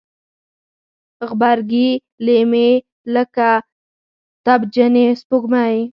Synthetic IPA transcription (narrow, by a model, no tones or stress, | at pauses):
ɣbaɾɡi | leme | ləka | t̪abd͡ʒənespoɡmaj